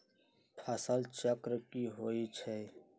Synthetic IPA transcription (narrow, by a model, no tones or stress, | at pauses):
pʰɐsəlt͡ʃəkɾkiɦoːit͡ʃʰe